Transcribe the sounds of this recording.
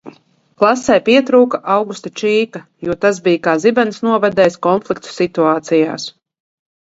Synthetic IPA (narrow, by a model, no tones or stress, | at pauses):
klˠasɛjpʲiɛt̪ɾuːkaʔawɡust̪at͡ʃiːkajuɔt̪az̬bijkaːzibɛnsnuɔvɛd̪ɛːjskɔnflˠik̚t̪u̥sit̪uaːt̪sija̰ːs